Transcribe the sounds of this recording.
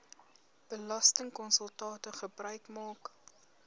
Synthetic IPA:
b̥əlɐstəŋkɔnsəlˠtɑːtəχəbrœɥkmɑːk

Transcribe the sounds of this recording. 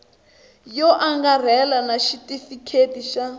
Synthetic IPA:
jɔʔaŋɡar̤ɛlanaʃitifikʰetiʃa

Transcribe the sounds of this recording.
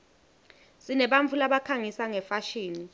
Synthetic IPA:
sinɛɓaɱfʰulaɓakʰaŋisaŋɛfaʃiːni

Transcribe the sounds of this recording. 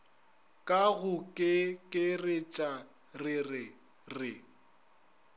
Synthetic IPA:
kʼaɣʊkʼɪkʼɪrɪt͡ʃʼa | rɪrɪ | rɪ

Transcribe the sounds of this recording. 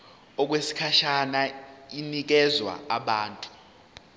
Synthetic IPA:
ɔk̬wesi̥kʰaʃanainik̬ɛzwa̰aɓaːntʼu̥

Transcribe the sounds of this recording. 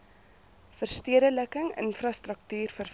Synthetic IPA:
fərstiədələkəŋə̰nfrɐstrək̚tyːrfərf

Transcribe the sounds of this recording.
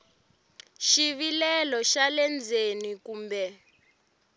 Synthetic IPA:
ʃiβilɛlɔʃalɛnd͡zʱenikuːmbɛ

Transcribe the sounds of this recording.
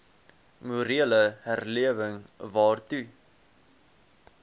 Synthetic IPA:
muɾiələhærliəvəŋvɑːrtʉ

